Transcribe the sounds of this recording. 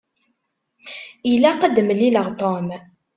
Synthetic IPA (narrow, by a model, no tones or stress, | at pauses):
ilæqəd̪məlːiləʁt̪ˤom